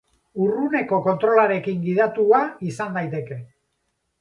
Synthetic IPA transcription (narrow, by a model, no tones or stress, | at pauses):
urune̞ko̞ko̞nt̪ɾo̞laɾe̞kiŋɡiðat̪uaisand̪ajt̪e̞ke̞